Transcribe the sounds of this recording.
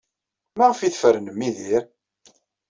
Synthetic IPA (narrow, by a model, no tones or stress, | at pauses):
mæʁəfiθfəɾənəmːiðiɾ